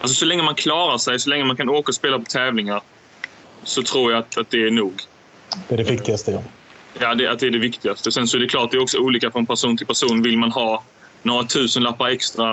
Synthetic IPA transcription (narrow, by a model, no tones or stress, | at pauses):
ʔalsɔsɔlɛŋːəmankʰlɑːɾaʂɛjsɔlɛŋːəmankʰanoːkaɔspeːlapɔt̪ʰɛːvlɪŋaɾ | sɔt̪ʰɾuːɾjaat̪at̪̚d̪ɛæɳuːɡ | d̪̥ɛæɖɛvɪkt̪ɪɡast̪əjɑ | jaːd̪ɛa̰t̪̚d̪ɛæɖɛvɪkt̪ɪɡast̪əsɛnsɔæɖɛklɑːʈ̚d̪ɛɾɔksɔuːliːkafɾɔnpʰæʂuːnt̪ʰɪlpʰæʂuːnvɪlmanɦɑː | noːɾat̪ʰʉ̟ːsənlapːaɾɛkst̪ɾa